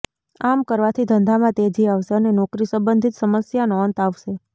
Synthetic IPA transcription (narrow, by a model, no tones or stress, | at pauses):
amkəɾʋat̪ʰid̪ʱənd̪ʱamãt̪ed͡ʒʱiaʋʃeənenɔkɾisə̃mbənd̪ʱit̪səməsjanoənt̪aʋʃe